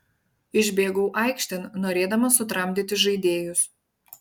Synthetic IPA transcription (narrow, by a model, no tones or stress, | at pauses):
ɪʒʲbʲeːɡuːʔɐˑɪkʃʲt̪ʲɛnnoːɾʲeːd̪ɐmɐsʊt̪ɾɐmʲd̪ʲɪt̪ʲɪʒɐɪd̪ʲeːjʊs